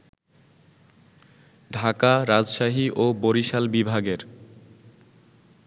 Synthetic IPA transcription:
ɖʱakaɾad͡ʑʃaɦiʔoboɾiʃalbibʱaɡeɾ

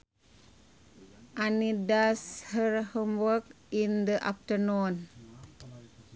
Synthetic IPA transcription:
ʔanidashəɾhəmwək̚ | ind̪əʔa̰p̚tənon

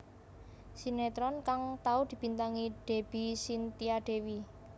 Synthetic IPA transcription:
sinet̪ɾɔnkaŋt̪aud̪̥i̤b̥i̤nt̪aŋiɖ̥e̤b̥isint̪iaɖ̥e̤wi

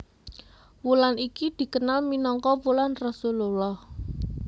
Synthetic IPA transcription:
wulanikid̪̥i̤kənalminɔŋkɔwulanrɔsululɔh

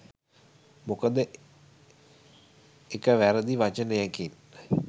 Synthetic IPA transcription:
mokəd̪ə | ekəʋæɾəd̪iʋat͡ʃənəjɛkin

